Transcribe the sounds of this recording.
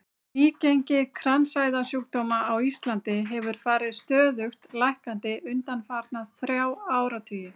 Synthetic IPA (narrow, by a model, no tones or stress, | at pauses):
iːcejɲcɪkʰɾansaːjðasjuːk̚t̪ɔːmaawist̪lant̪ɪɦɛvʏɾ̥faːɾɪðst̪œːðʏxt̪lajhkant̪ɪʔʏnt̪anfaːɾt̪naðθɾjaːwaːwɾat̪ʰyːjɪ